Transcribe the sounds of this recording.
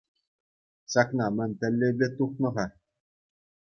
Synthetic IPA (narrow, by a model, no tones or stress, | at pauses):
ɕɑknɑmɘ̆nʲt̪ɘ̆lʲːebʲlʲɘ̆t̪uχnɤ̆ʁɑ